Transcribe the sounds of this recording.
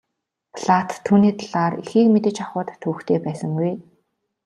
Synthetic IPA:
pʰɮat̪ʰːuːniːt̪aɮaːrixiːkmet̪ɘ̆t͡ɕaχʊːt̪ːʰŭːxt̪ʰeːpæːsə̆ŋɡuj

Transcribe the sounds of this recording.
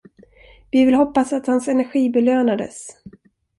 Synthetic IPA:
vɪvɪlhɔpːasat̪hansɛnæɾɧiːbɛløːnad̪ə̰s

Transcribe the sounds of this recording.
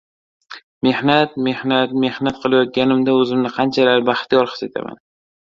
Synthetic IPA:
me̞hnat̪me̞hnat̪̚me̞hnat̪̚qʰɨlˠajɒt̪̚ɡʲanɪmd̪aɵzɪmnɪqʰɑnt͡ʃʰalaɾbaχt̪ijɒɾχɨ̥set̪ʰa̰ma̰n

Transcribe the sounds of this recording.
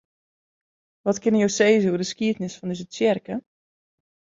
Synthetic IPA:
ʋɔtkɪnəjowseːzəuədəskiətnɪsfɔndøsət͡sɪrkə

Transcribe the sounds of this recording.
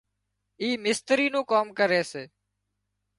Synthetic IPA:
iːmɪst̪ɾiːnũːkoːmkəɾeːseː

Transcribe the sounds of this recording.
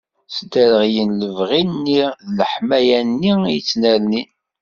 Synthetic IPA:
sd̪æɾəʁjənləvʁinːiðləħmæjænːiijət͡sːnælni

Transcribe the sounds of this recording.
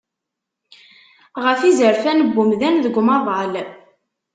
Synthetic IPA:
ʁəfizəɾfænəbːʊmðænðəɡʷmɑðˤɑl

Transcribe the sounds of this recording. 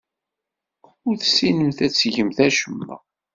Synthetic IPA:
ʊɾθsːinəmθæt͡sːʝəmθæʃəmːæ̰

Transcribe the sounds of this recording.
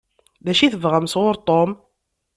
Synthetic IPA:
ðæʃiθəvʁəmsʁʊɾt̪ˤom

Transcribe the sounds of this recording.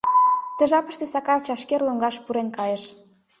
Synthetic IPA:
t̪ə̆ʒɑpə̥̆ʃt̪esɑkɑrt͡ɕɑʃkerloŋɡɑʃpuɾenkɑjeʃ

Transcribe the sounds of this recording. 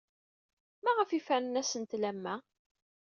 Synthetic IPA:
mæʁəfifænənæsənt̪læmːæ

